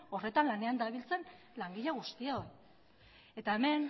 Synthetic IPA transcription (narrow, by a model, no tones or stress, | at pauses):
o̞re̞t̪anlane̞and̪aβ̞ilt͡se̞n | laŋɡiʎaɣ̞ust̪iaoj | e̞t̪ae̞me̞n